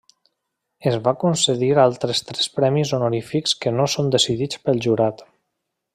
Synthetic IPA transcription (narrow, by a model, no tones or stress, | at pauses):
ezβakunseðiɾalˠt̪ɾest̪ɾɛspɾɛmizonoɾifikskənosond̪esiðit͡spəlˠʒuɾat̪